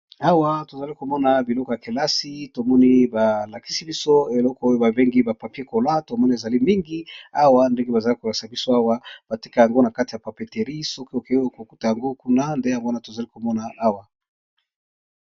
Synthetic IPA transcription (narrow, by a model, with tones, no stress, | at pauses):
a˦wa˦to˨za˨li˦ko˨mɔ˦na˨bi˨lɔ˦kɔ˨ja˨ke˨la˦si˦to˨mɔ˦ni˦ba˨la˨ki̥˦si˦bi˦so˦e˨lɔ˦kɔ˦o˦jo˦ba˨be˦ŋɡi˦ba˨pa˨pi˦e˦ko˨la˦to˨mɔ˦ni˦e˨za˨li˦mi˦ŋɡi˦a˦wa˦nde˦ŋɡe˦ba˨za˨li˦ko˨la˨sa˨bi˦so˦a˦wa˦b̥a˨ti˦ka˦˨ja˨ŋɡo˦na˨ka˦ti˨ja˨pa˨pe˨te˨ʁi˦sɔ˦ko˦o˨ke˦o˦ko˨ku˦ta˨ja˨ŋɡo˦ku˦na˦nde˦ja˨ŋɡo˦na˨to˨za˨li˦ko˨mɔ˦na˨ʔa˦wa˨